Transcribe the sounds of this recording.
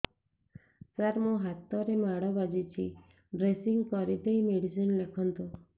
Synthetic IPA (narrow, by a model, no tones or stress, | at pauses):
saɾmũɦat̪ːɔɾemaɽɔbad͡ʒit͡ʃʰi | ɖɾesiŋɡkɔɾit̪ejmeɽisinlekʰɔnt̪u